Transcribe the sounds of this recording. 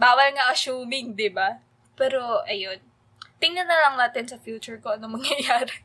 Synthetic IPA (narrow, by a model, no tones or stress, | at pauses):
baːwɐlŋɐʔɐsuːmɪŋd̪ɪba | pɛːɾo̞ʔɐjon | t̪ɪŋnɐnɐlɐŋnaːt̪ɪnsɐfjuːt͡ʃʊɹkoʔɐnomɐŋjɐjaːɾɛ